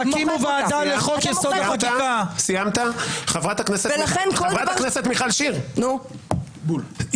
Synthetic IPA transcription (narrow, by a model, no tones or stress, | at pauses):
akimuvaːd̪aleχokjesod̪aat̪akasijamt̪aχavʁat̪hakneselaenkolʁat̪akneset̪miχalʃiʁno | bu